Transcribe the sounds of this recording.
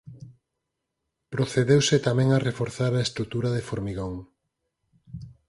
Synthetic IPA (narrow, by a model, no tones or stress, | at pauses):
pɾoθeðewsɪt̪amɛ̃ŋarefoɾθaɾaest̪ɾut̪uɾaðefoɾmiɣoŋ